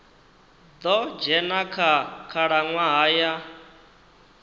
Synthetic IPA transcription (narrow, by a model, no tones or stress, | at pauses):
d̪ɔd͡ʒɛnakʰakʰaɺaŋwaɦaja